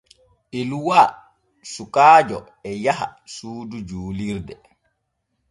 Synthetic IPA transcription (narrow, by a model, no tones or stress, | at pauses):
ʔeluwaː | sukaːd͡ʒɔ | ɛjaha̰suːdud͡ʒuːliɾdɛ